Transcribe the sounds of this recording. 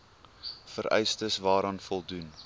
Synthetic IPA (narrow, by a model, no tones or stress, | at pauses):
fəɾɛ̰jstəsvɑːɾɑnfɔlˠdun